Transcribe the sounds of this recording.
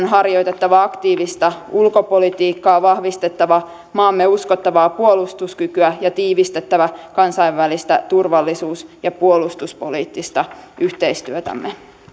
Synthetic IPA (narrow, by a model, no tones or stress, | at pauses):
nɦɑrjo̞jt̪et̪ːɑʋɑɑkt̪iːʋist̪ɑulko̞polit̪iːkːɑːʋɑhʋist̪e̞t̪ːɑʋɑ | mɑːmːeuskot̪ːɑʋɑːpuolust̪uskykyæjɑt̪iːʋist̪e̞t̪ːæʋækɑnsɑiʋʋælist̪æt̪urʋɑlːisuːsjɑpuolust̪uspoliːt̪ːist̪ɑyht̪e̞ist̪yøt̪æ̰mːe